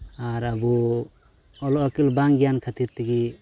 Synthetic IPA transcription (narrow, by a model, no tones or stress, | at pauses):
aɾabu | ɔlɔɔkilbaŋɡijankʰat̪iɾt̪iɡi